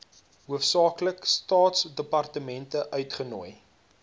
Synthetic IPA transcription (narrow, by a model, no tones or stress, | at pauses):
ɦuəfsɑːkləkstɑːtsdəpɐrtəmɛntəʔœɥtχənuəj